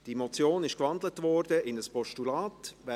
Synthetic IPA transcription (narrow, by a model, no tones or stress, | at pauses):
d̥imɔt͡sjoːnɪʃkvɑndlətvɔɾdəʔɪnəspɔʃtulaːtvɛ